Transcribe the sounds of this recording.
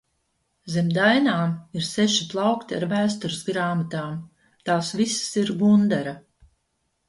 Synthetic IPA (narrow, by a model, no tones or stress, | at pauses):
zemd̪ajnaːmiɾsɛʃiplˠɑwkt̪ia̰ɾvæːst̪ɔɾɪsɡɾaːmat̪aːm | t̪aːsvissiɾɡund̪aɾa